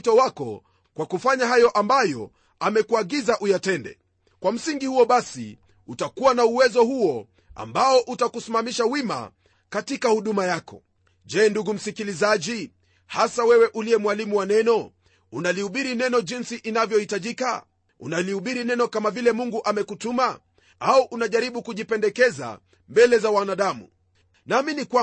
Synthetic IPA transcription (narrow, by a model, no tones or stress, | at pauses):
tɔwakɔ̰ | kwakufaɲaɦajɔʔambajɔ̰ | amɛkuaɡizaʔujatɛndɛ̰ | kwam̩siŋɡihuɔɓasḭ | utakuwanauwɛzɔhuɔ | a̰mbaɔʔutakusimamiʃawima̰ | katikahuɗumajakɔ̰ | ʄɛːnduɡum̩sikilizaʄi | hasawɛwɛʔuliɛmwalimuwanɛnɔ | unalihuɓiɾinɛnɔʄinsiʔinavjɔhitaʄika̰ | ṵnalihuɓiɾinɛnɔkamavilɛmuŋɡuʔamɛkutuma | auʔunaʄaɾiɓukuʄipɛndɛkɛza̰ | mbɛlɛzawanaɗamṵ | naːminikwa